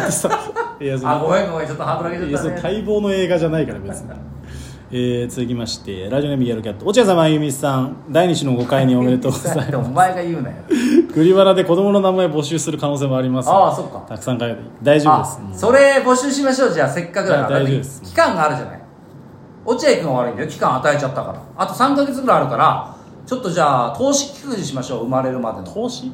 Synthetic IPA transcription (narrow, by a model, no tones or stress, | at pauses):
sasaɡomeoat͡ɕot̪ːoɦaːd̪oɾakeosoot̪ʰaibo̞ːno̞e̞ːɡaʑanaikaɾasɨne | eːt͡sɨzɨk̬ʲimaɕi̥t̪e̞ɾaʑio̞ne̞mɯɡʲiaɾokʲat̪ːoːt͡ɕijas̬ãmbãŋɡɯ̟mʲisãŋd̪aiɲ̟it͡ɕino̞ɡo̞kaiɲ̟io̞meet̪osaomaeɡajɯ̟ːnd̪a̰joɡɯ̟ɾʲiβanad̪e̞ko̞d̪o̞mo̞no̞namaebo̞ɕɨːsɨɾɯ̟kano̞ːs̬eːmo̞aɾʲimasaso̞kkːa̰t̪akɯ̟sãŋkaɡet̪ɯid̪aiʑod̪esso̞ɾe̞bo̞ɕɨːɕimaɕo̞ːd͡ʑaːse̞kːakɯd̪aad̪aaizod̪eskʲi̥kãŋɡaːɾɯ̟ʑana̰i | o̞t͡ɕiaikɯ̟noaɾɯ̟ĩnd̪ajokʲi̥kãɰ̃at̪ae̞t͡ɕat̪ːaka̰ɾa̰ːt̪o̞sãŋkaɡe̞t͡sɨɡɯɾajaɾɯ̟kaɾa | t͡ɕo̞t̪ːo̞d͡ʑaːt̪ʰo̞ːɕi̥kʲi̥kɯ̃ɲiɕimaɕo̞ːɯ̟maɾe̞ɾɯ̟mad̪et̪ʰoːɕi